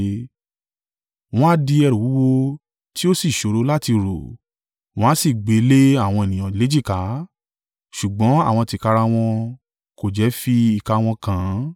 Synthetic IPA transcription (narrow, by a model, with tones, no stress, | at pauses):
w̃ɔ̃˦a˦˧di˧ɛ˧ɾũ˨wu˨˦wo˧ | ti˦o˦si˦˨ʃo˨ɾo˨˦la˦ti˧ɾo̰˨ | w̃ɔ̃˦a˦si˦˨ɡ͡be˨˦le˦a˦˨w̃ɔ̃˧e˨nĩ˨j̃ã˨le˨˦d͡ʒi˦˨ka˨˦ | ʃu˨ɡ͡bɔ̃˨˦a̰˦˨w̃ɔ̃˧ti˧ka˧ɾa˧w̃ɔ̃˧ | ko˨d͡ʒɛ˨˦fi˧i˨ka˧w̃ɔ̃˧kã˨˦